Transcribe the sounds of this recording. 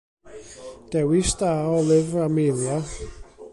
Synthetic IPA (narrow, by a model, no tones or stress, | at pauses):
d̥ɛwɪsdaːɔlˠɪvamejlˠja